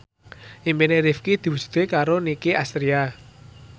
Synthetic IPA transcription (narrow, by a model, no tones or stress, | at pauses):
ʔimbineɾifkid̪̥i̤wud͡ʒ̥u̥t̪ekaɾonikiʔast̪ɾia